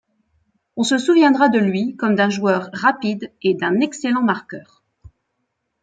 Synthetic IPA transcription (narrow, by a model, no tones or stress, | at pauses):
ɔ̃səsuvjɛ̃d̪ʁad̪əlɥikɔmd̪ɛ̃ʒuœʁːapid̪ed̪ɛ̃nɛkselɑ̃maʁkʲœːʁ